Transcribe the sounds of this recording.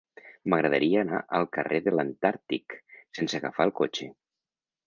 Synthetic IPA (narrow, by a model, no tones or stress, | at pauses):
məɣɾəðəɾiəːna̰ʔəlˠkəreðələnt̪aɾt̪iksenseaɣa̰faəlˠkot͡ʃe